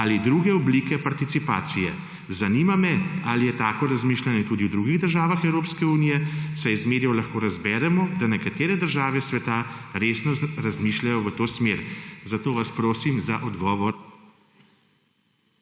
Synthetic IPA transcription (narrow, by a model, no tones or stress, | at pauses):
alid̪ɾuːɡɛɔbliːkɛpaɾt̪it̪sipa̰ːt̪sijɛ̰ | zaniːmamɛalijɛt̪aːkɔɾazmiːʃlanɛt̪uːd̪iwd̪ɾuːɡiɣd̪əɾʒaːʋaxɛwɾoːpskɛuːnijɛsajzmeːɾjɛwlaxkoːɾazbɛːɾɛmɔd̪anɛkat̪eːɾɛd̪əɾʒaːʋɛsʋɛt̪aɾeːsnɔɾazmiːʃlʲajɔʋət̪oːsmeːɾzat̪oːʋaspɾoːsimzaʔɔd̪ɡɔːʋɔɾ